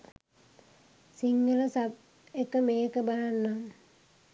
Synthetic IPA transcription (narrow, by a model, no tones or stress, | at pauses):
siŋɡələsat̚ | ekəmeːkəbalanːam